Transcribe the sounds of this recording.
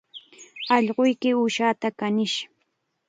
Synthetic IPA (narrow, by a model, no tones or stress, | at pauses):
ɑʎɢʊjkɪʊʃaːt̪akanɪʃ